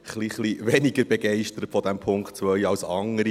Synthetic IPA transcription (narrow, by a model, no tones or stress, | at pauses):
χliχliʋɛniɡəɾbeɡɛɪʃtəɾətfɔdæmpʰʊŋkt̚t͡sʋœʏɑwsɑŋəɾi